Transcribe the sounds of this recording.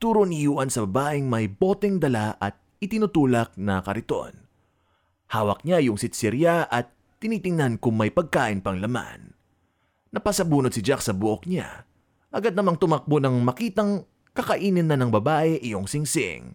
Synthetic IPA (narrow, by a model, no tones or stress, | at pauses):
t̪uːɾonɪjuːʔɐnsɐbɐbaːʔɪŋmɐjbo̞ːt̪ɛŋd̪ɐlaʔɐt̪̚ | ɪt̪ɪnut̪uːlɐk̚nɐkɐɾɪt̪o̞̰n | haːwɐk̚ɲajʊŋsɪt̪sɪɾjaʔɐt̪ːɪniːt̪ɪŋnankʊŋmɐjpɐɡ̚kaːʔɪnpɐŋlɐma̰nː | ɐpɐsɐbuːnod̪sɪd͡ʒaksɐbʊʔok̚ɲa̰ | ʔɐɡad̪̚nɐmaŋt̪ʊmɐk̚bonɐŋmɐkiːt̪ɐŋ | kɐkɐʔiːnɪnːɐnɐŋbɐbaːʔɛʔɪjoŋsɪŋsɪ̰ŋ